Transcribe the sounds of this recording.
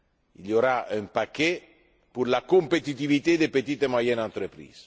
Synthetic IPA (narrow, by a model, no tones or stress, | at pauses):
iljoɾaʔɛ̃mpakɛ | puɾlakompet̪it̪ivit̪ed̪epet̪it̪emwajɛnãnt̪ɾəpɾḭːz